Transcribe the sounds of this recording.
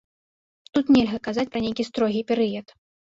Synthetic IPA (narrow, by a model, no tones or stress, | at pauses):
t̪ut̪nʲɛlʲɣɐkazat͡sʲpɾɐnʲejkʲist̪ɾɔɣʲipʲɛɾɨjɛt̪